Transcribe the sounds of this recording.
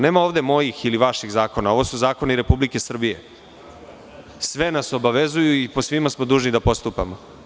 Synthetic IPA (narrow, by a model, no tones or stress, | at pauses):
ne̞ːmao̞ːʋd̪e̞mo̞jixiliʋaʃiɣzaːko̞nao̞ʋo̞suzaːko̞niɾe̞publike̞sr̩bije̞ | sʋe̞naso̞baʋe̞zujuiposʋimasmod̪uːʒnid̪apo̞st̪upa̰mo